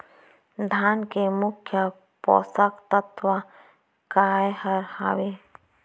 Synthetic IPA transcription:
d̪ʱaːnkemʊkʰjə | pɔ̰ːsəkt̪ət̪wa | kaːehɐɾha̰we

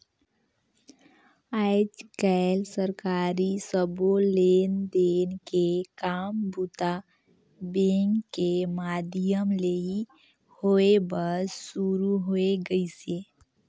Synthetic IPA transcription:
aːɪd͡ʒkɛɪlsəɾkaːɾisəboleːnd̪eːnkekaːmbut̪a | beŋɡkemaːd̪ɪjəmlei | hoebəsuɾuɦoeɡəiseː

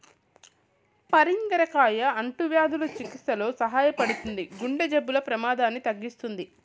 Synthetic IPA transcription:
pɐɾiŋɡɐɾɐkaːjɐɐɳʈuʋjaːd̪ulɐt͡ʃikit̪ːɐlo̞ːsɐɦaːjɐpɐɽut̪und̪iɡuɳɖɐd͡ʒɐbːulɐpɾɐmaːd̪aːnːit̪ɐɡːist̪und̪i

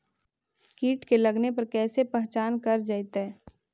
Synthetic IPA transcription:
kiːʈkelɐɡnepɐɾkɛːsepɛɦt͡ʃaːnkɐɾd͡ʒajt̪ɛ

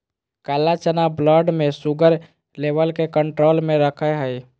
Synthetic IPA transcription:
kalat͡ʃənabləɖmẽsuɡəɾ | leʋəlkekəɳʈɾolmeɾəkʰəɦəj

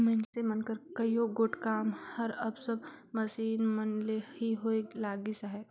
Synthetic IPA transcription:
mɐ̃nsemɐnkəɾkɐjoɡoːʈkaːmhɐɾɐbsɐbmɐsiːnmɐnlehiɦoːelaːɡisaɦɛː

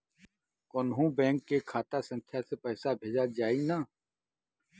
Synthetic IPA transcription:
koːnɦũbɛ̃ːŋkːekʰaːt̪asə̃ŋkʰjasepɛːsabʱeːd͡ʒad͡ʒaːinaː

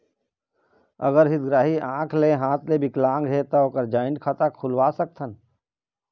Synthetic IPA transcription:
ə̰ɡəɾɦɪd̪ɡɾaːɦiãːkʰleɦãːt̪lebɪklãːŋɡɦeːt̪aoːkəɾd͡ʒaːɪnɖkʰat̪akʰʊlwaːsək̚t̪ʰən

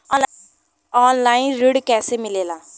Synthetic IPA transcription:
ɔːnlaːinɾɪɽkɛːseːmɪleːlaː

